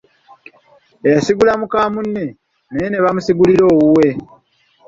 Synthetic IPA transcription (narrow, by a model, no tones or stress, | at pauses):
ejasiɡulamukaːmunːe | nejene̞βamusiɡuliɾo̞ːwuwe̞